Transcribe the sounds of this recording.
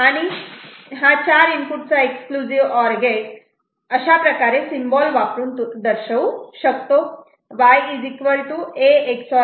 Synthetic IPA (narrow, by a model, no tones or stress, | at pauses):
añi | ɦãt͡ɕaɾinpuʈ̚t͡saekskluziʋɔɾɡe | əɕapɾəkaɾesimbɔlʋapɾuːnt̪ud̪əɾʃəwʃək̚t̪o | ʋajizikʋəlʈ̪ueːksɔ